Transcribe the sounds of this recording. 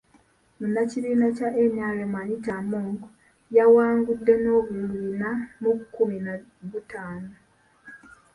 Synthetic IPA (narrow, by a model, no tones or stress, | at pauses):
munːaciβiːnacaʔemjaːlemaɲitamoːŋɡ | jawaːŋɡudːeno̞ːβulliinamuβukumina | βutaːno